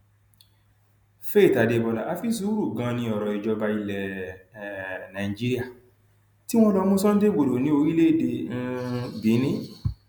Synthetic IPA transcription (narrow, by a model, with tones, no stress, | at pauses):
fe˦i˦˨ta˨de˧bɔ˧la˨a˧fi˦su˨˦ɾu˦˨ɡã˧nĩ˧ɔ˨ɾɔ˨i˨d͡ʒɔ˧ba˧i˧lɛ˨ | nã˨i˨d͡ʒi˦ɾi˦a˦˨ | ti˦w̃ɔ̃˦lɔ˧mũ˦sɔ̃˦n̩˦de˦˨ɡ͡bo˨do˨nĩ˦o˧ɾi˦le˦i˦˨de˧ñ̩˧bi˨˦nĩ˦